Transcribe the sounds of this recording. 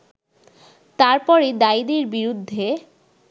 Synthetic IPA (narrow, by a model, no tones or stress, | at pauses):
t̪aɾpɔɾid̪aid̪eɾbiɾud̪ʱːe